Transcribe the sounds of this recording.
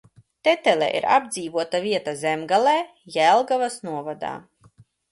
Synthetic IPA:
t̪ɛt̪ɛlʲɛ̰ʔḭɾa̰b̚d̪ziːvuɔt̪avʲiɛt̪azɛmɡalɛː | jælˠɡavasnuɔvad̪a̰ː

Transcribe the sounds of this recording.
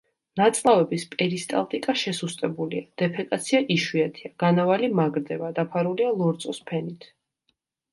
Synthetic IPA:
nat̪sʼlˠavɛbispʼɛɾist̪ʼa̰lˠt̪ʼikʼaʃɛsust̪ʼɛbuliad̪̥ɛpʰɛkʼat̪sʰiaʔiʃwiat̪ʰiaɡ̥anavalimaɡɾd̪ɛbad̪apʰaɾulialˠɔɾt̪sʼɔspʰɛnit̪ʰ

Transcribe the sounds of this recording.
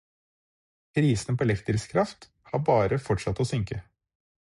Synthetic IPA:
pʰɾiːsnpʰoːlɛft̪əɾskʰɾɑft̪ | hɑːbɑːɾəfɔʈʂɑt̪ːoːsʏŋkə

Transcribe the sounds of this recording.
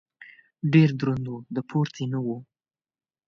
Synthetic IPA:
ɖeɾd̪ɾund̪wud̪əpʰoɾt͡sinəwu

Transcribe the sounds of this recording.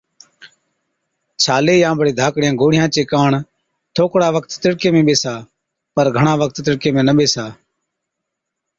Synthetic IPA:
t͡ʃʰaːleːjãːbəɽeːd̪ʱaːkɽɪjãːɡoːɽɪjãːt͡ʃeːkaːɳ | t̪ʰoːkɽaːʋəkt̪t̪ɪɽkeːmẽːɓeːsaː | pəɾɡʱəɳaːʋək̚t̪t̪ɪɽkeːmẽːnəɓeːsaː

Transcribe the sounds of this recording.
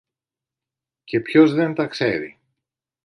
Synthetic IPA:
ce̞pço̞zðe̞nt̪ɐkse̞ɾḭ

